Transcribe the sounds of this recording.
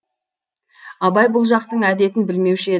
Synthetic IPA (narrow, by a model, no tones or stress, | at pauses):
ɑbɑjbʊlˠʒɑq̚t̪əɴæd̪e̞t̪ɪnbɪlme̞wʃɪe